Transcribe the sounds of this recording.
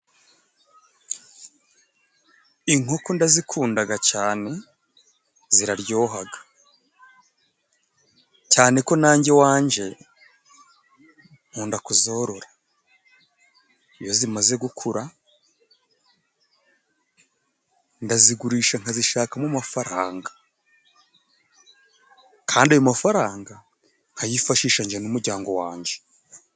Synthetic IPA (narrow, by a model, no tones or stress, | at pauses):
iŋo̞kondazikʰuːndaɡacaːne̞ | ziɾaɾɟo̞ːɦaɡḁ | caːne̞ko̞naːɲɟe̞waːɲd͡ʒe̞ | oːndakuzo̞ːɾo̞ɾa | ijo̞zimaze̞ɡukʰuɾa | ndaziɡuɾiːʃaŋ̥haziʃaːkamumafaɾaːŋɡḁ | kʰaːndajomafaɾaːŋɡa | ŋ̥ajifaʃiːʃaɲd͡ʒenumuɾɟaːŋɡo̞waːɲɟe̞